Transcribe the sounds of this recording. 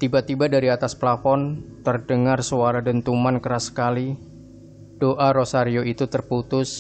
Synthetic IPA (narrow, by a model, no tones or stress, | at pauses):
t̪ibat̪ibadaɾiat̪asplafɔnt̪ərdəŋarsuaɾadənt̪umankəɾasə̥kali | d̥oʔaɾosaɾioit̪ut̪ərput̪ʊs